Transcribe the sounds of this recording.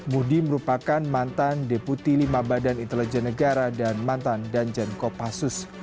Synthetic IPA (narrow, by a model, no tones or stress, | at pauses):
mudiməɾupakanmant̪andeput̪ilimabadanint̪əlɛd͡ʒɛnːəɡaɾadanmant̪andand͡ʒankɔpasʊs